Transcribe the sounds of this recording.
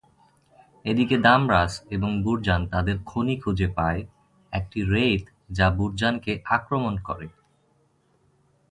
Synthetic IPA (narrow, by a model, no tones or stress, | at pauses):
ed̪iked̪amɾaseboŋbuɾd͡ʑant̪ad̪eɾkʰonikʰud͡ʑepae | ɛk̚ʈiɾet̪ | d͡ʑabuɾd͡ʑankeʔakɾomonkɔ̰ɾe